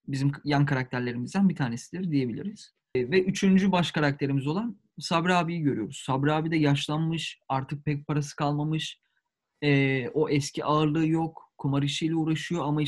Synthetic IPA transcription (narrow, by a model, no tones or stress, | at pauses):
bizimjankʰaɾak̚t̪ʰæɾlʲe̞ɾimizd̪ænbit̪ʰaːnesid̪iɾd̪ije̞bilʲḭɾiz̥ | vɛʔyt͡ʃʰynd͡ʒybaʃkaɾak̚t̪ʰe̞ɾimizo̞lˠan | sabɾaːbijiɟøɾyjo̞ɾuz̥sabɾaːbid̪ɛjaʃlˠanmɯʃaɾt̪ʰɯk̚pʰɛc̚pʰaɾasɯ̥kʰalˠmamɯʃ | ɛːo̞ʔɛscʰiʔaɯɾlˠɯjo̞kkʰumaɾɯiʃijlʲɛuːɾaʃɯjo̞ama